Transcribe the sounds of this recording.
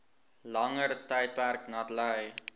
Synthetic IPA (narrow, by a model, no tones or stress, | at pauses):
lɐŋəɾtəjt̚pærknɐtlɛj